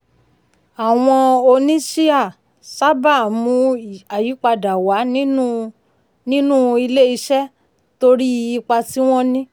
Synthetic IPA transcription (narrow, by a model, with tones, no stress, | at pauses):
a˨w̃ɔ̃˧o˧nĩ˦ʃi˦a˦˨ | sa˦ba˦˨mũ˧˦a˨ji˨˦k͡pa˧da˨wa˨˦nĩ˦ | nĩ˦nũ˦˨i˧le˦i˧ʃɛ˦ | to˧ɾi˦˧i˧k͡pa˧ti˦w̃ɔ̃˦nĩ˦